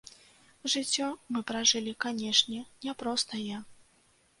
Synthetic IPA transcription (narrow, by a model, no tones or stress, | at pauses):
ʐɨt͡sʲːɔmɨpɾaʐɨlʲikanʲɛʂnʲɛnʲɛpɾɔst̪ɐja